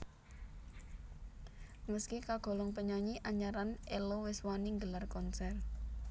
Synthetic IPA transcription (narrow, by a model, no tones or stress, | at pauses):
məskikaɡ̥ɔ̤lɔŋpəɲaɲiʔaɲaɾanʔelowɪswaniŋɡəlarkɔnsɛr